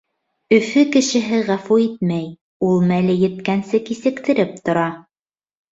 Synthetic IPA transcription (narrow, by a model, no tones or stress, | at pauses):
ɵ̆fɵkɘ̆ʃɘ̆ɦɘʁæfuit̪̚mæj | ulˠmælɘjɘ̆t̪kænsɘkisɘ̆kt̪ɘ̆ɾɘp̚t̪ŏɾɑ